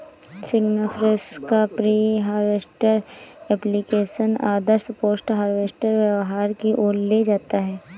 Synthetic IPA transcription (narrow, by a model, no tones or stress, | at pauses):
sɪɡnəpʰɾɪskapɾiːɦaːɾʋeːsʈəɾɛːplikeːʃənaːd̪əɾspoːsʈɦaːɾʋeːsʈəɾʋəʋɦaːɾkiʔoːlled͡ʒaːt̪aɦɛː